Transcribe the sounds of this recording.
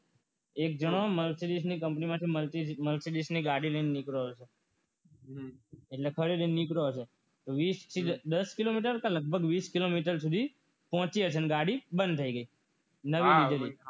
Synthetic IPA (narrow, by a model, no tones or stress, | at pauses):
ek̚d͡ʒəɽ̃oməlsidis̬nikəmpnimãt̪ʰiməliməlsidisniɡaɽiləinenikɾoɦt͡ʃʰe | eʈlekʰəɾid̪nnikɾoɦt͡ʃʰe | t̪oʋist̪ʰid̪əskilomiʈəɾkãləɡ̚bʱəɡʋiskilomiʈəɾsud̪ʱi | pɦɔ̃t͡ʃiət͡ʃʰeneɡaɽibənd̪̚t̪ʰəiɡəi | nəʋiʋid̪eli